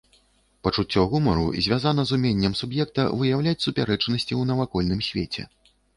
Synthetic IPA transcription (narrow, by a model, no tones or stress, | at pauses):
pɐt͡ʂut͡sʲːɔɣumɐɾṵzʲvʲazanɐzumʲenʲːɐmsubjɛk̚t̪ɐ̰vɨjawlʲat͡sʲsupʲaɾɛt͡ʂnɐsʲt͡sʲiwnɐvakɔlʲnɨmsʲvʲet͡sʲɛ̰